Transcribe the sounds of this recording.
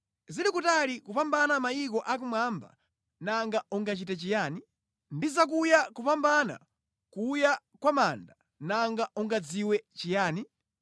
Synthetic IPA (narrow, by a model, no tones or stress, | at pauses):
zilikutalikupambanamajik̬ɔʔak̬umwamba̰ | naŋɡaʔuŋɡat͡ʃitat͡ʃijaːni | ndizak̬ujakupambana̰ | kuja | kwamanda | naŋɡaʔuŋɡad͡ziwɛt͡ʃijaːni